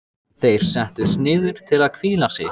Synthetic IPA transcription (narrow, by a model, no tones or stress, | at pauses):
θejɾ̥sɛht̪ʏsnɪːðʏɾ̥t̪ʰɪlaðkʰviːlasɪ̰